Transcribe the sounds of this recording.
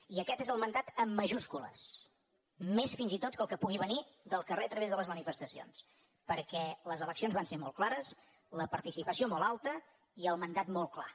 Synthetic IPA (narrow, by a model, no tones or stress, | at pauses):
iəkɛt̪ezəlˠmənd̪at̪əmːəʒuskulə̰s | mesfinzit̪ot̪̚kəlˠkəpuɣ̞iβ̞ənid̪əlˠkəreət̪ɾəβezðələzmənifəst̪əsio̰ns | pəɾkɛləzələksionzβanseɾmɔ̰lˠklaɾəs | ləpəɾt̪isipəsiomolˠalˠt̪ə | iəlˠmənd̪at̪molˠkla̰